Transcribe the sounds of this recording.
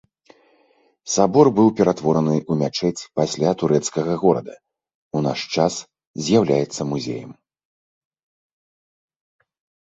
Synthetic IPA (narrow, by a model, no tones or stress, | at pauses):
sabɔrbɨwpʲɛɾat̪vɔɾɐnɨʔumʲat͡ʂɛt͡sʲpasʲlʲat̪uɾɛt̪skɐɣɐɣɔɾɐ̰d̪ɐ | una̰ʂt͡ʂas | zʲjawlʲajɛt̪sːɐmuzʲḛjɐ̰m